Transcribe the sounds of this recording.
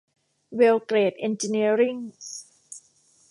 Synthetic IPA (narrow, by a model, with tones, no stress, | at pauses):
we˧wkɾeː˨˩t̪̚ʔe˧nt͡ɕi˧ni˧əɾi˥˩ŋ